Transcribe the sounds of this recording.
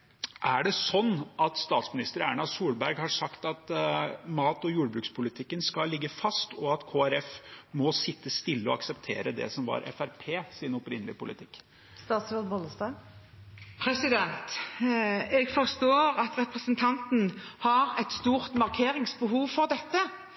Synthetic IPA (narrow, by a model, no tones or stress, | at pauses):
ʔæɖɛsɔnːɑt̪st̪ɑːt̪smɪnɪst̪əɾæ̰ːɳɑsuːlbæɾɡhɑʂɑkt̪ɑt̪mɑːt̪ɔjuːɖbɾʉːkspʰʊlɪt̪ʰɪkːənskɑlːɪɡːəfɑst̪ɔɑt̪kʰoːæɾɛfmɔsɪt̪ːəst̪ɪlːəɔɑksɛpt̪ʰḛːɾəd̪ɛ̰sɔmʋɑ̰ɾʔɛ̰fæɾpʰeːsɪnɔpɾɪnːəlɪ̰pʊlɪt̪ʰɪkː | st̪ɑːt̪sʋɛd̪bɔləsd̪ɑːɡ | pʰɾɛsɪd̪ɛnt̪ | ɛɡfɔʁst̪oːɾɑt̪ɾɛpɾəsənt̪ʰɑnt̪n̩hɑɾɛt̪st̪uːʁt̪mɑʁkʰeːɾɪŋsbəhuːʋfɔʁd̪ɛt̪ːə